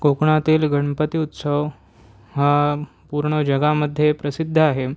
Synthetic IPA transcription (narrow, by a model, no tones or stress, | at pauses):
kokɳat̪iːlɡəɳpət̪iut̪səʋ | ɦa | puɾɳəd͡ʑəɡaməd̪ʱjepɾəsid̪ʱːəaɦe